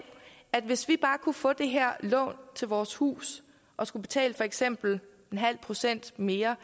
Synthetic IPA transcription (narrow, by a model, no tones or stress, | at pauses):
æd̥ʋe̝sʋib̥ɑ̈ːkʰufɔ̰̽ːd̥e̝ɦæɐ̰lɔ̰̽ːnt͡sʰe̝lʋɒːshṵːs | ʔɒ̽sɡ̥ub̥e̝t͡sʰɛ̰ːləfɒ̽eɡ̥sem̰b̥l̩ | e̝nɦæl̰pʰʁo̝sen̰d̥me̝ːɐ